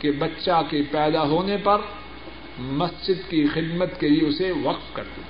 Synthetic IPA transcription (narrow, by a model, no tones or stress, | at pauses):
kebɐtːʃakepɛːd̪aɦoːnepɐɾ | mɐsd͡ʒɪd̪kixɪd̪mət̪kelieʊseʋɐqt̪kɐ̰ɾt̪u